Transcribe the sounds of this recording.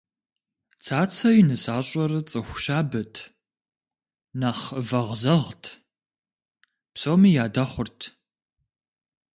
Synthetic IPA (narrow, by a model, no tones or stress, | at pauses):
t͡sʰaːt͡sʰɐjnɨsaːɕʼɐrɨt͡sʼɨxʷʃaːbɐtʰ | naːχvɐʁzɐʁtʰ | psʼoːmiːjaːdɐχʷʊrtʰ